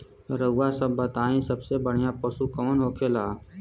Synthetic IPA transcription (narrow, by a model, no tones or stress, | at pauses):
ɾəwasəbːət̪aːĩsəbsebəɽ̤ijãpəsukəʋənɦoːkʰelaː